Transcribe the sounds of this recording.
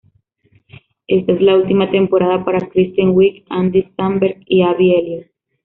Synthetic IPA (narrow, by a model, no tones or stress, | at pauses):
e̞st̪ae̞zlault̪imat̪e̞mpo̞ɾaðapaɾakɾist̪jaŋwikand̪ist̪ambeɾɡiaβieljo